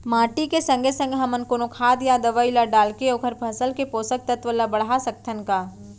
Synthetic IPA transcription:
maːʈikesɐ̃ŋɡʱesə̃ŋɡʱɦɐmənkonokʰaːd̪jad̪ɐʋailaɖaːlkeoːkʰəɾpʰɐsəlkepoːsək̚t̪ɐt̪ʋəlːabɐɽasɐk̚t̪ʰənkaː

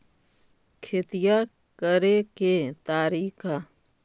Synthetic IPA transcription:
kʰɪt̪ɪja | kəɾeket̪aːɾiːkʰa

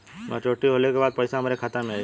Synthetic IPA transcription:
mɛ̰̃t͡ʃoːʈiɦoːlekebaːd̪̚pɐɪsamɾekʰaːt̪amea

